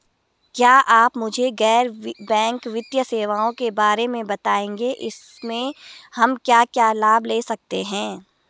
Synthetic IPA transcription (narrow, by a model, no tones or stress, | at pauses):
kjaːʔaːpmʊd͡ʒʱeɡɛːɾbɛ̃ːŋkʋɪt̪jəseːʋaːõkebaːɾemẽbɐt̪aːẽːŋɡeʔɪs | mẽhɐmkjaːkjaːlaːbleːsɐk̚t̪eɦɛ̃ː